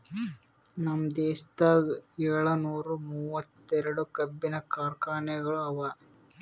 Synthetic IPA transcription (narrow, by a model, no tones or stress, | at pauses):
nɐmd̪eːst̪ɐɛɭɐnuːɾumuːʋɐt̪ːɛɾɐɽukɐbːinɐkaːɾkaːɳɛɡɐɭuɐʋɐ